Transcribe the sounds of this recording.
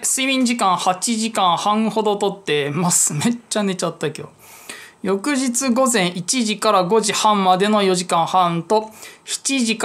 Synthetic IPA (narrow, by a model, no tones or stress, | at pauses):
sɨimʲĩɲd͡ʑikãɰ̃hat͡ɕiʑikãɰ̃hãɰ̃ho̞d̪o̞t̪o̞t̪ːe̞masɨme̞t͡ɕːane̞t͡ɕat̪ːakʲo̞̰ | jo̞kɯ̟ʑit͡sɨɡo̞zẽ̞ɰ̃ʔit͡ɕiʑikaɾaɡo̞ʑihãmmad̪e̞no̞jo̞ʑikãɰ̃hãnt̪o̞çi̥t͡ɕiʑik